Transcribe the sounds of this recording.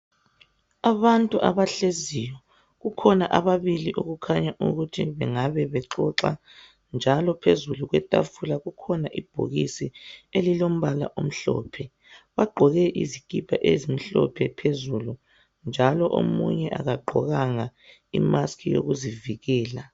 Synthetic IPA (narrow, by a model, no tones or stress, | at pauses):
aβantʼuʔa̰βaɬezijɔ | ɣukʰɔnaʔaβaβiliʔoɣukʰaɲaʔuɣutʰiβɛŋaβɛβɛǁɔǁa̰ | nd͡ʒʱalɔpʰezuluɣwɛtʼa̰fulaɣukʰɔnaʔib̥ʱo̰ɣisielilom̩βala̰ʔom̩ɬɔ̰ːpʰɛ | βaɡ͡ǃʱɔɣɛʔḭzikʼipʰaʔezim̩ɬɔ̰pʰɛpʰezulu | nd͡ʒʱalɔʔo̰mṵɲɛʔa̰ɣaɡ͡ǃʱɔɣaŋa | ḭmaskʰijo̰ɣuziviɣɛːla